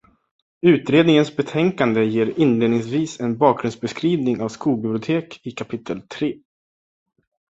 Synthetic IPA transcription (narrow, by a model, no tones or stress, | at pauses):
ʉ̟ːt̪ɾeːd̪nɪŋənsbɛt̪ʰɛŋkand̪əjeːɾɪnleːd̪nɪŋsviːsɛnbɑːk̚ɡɾɵnsbɛskɾiːvnɪŋavskuːɡ̚bɪblɪʊt̪ʰeːkɪkʰapʰɪt̪ʰːəlt̪ʰɾeː